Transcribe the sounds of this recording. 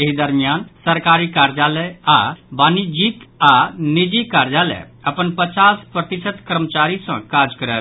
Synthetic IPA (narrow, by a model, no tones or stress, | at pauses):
eɦid̪əɾmijansəɾkaɾikaɾd͡ʒalɛabanid͡ʒikanid͡ʒikːaɾd͡ʒalɛ̰ | əpənpət͡ʃaspɾət̪isət̪kəɾmət͡ʃaɾisə̰̃kad͡ʒkəɾɛ